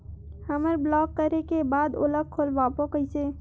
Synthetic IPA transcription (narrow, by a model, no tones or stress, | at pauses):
həməɾblɔkːəɾekebad̪o̰ləɡ̚kʰolbapokəit͡ʃʰe